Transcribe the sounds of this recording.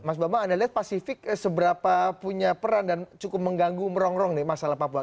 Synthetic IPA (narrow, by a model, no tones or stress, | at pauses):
mas̬bamaːdaliɦat̪̚pasifɪksəbəɾapapuɲapəɾandant͡ʃukʊp̚məŋɡaŋɡuməɾɔŋɾɔŋnɪhmasalahpapua